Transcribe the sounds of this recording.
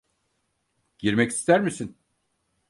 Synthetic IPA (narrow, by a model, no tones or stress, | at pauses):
ɟ̥iɾmɛci̥st̪ʰæɾmisin